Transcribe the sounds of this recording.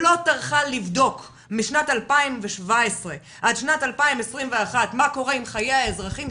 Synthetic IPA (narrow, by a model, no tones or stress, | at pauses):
lo̞taʁχalivdo̞k | miʃnatalpaimveʃvaesʁe̞ | ʔad̪ʃnatalpaimesʁimveaχatmako̞ʁeimχajeaezʁaχim